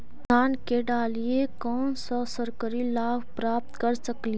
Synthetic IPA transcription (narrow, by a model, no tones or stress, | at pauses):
aːnkeɖaːliekɔːnsəsəɾkəɾilaːbʱpɾaːp̚t̪kəɾsəkli